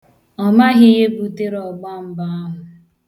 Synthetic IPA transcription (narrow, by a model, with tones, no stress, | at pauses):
ɔ˨ma˦ɦɪ˦ɦe˦bu˨te˦ɾɔ˨ɡ͡ba˦m̩˦ba˦a˦ɦʊ˨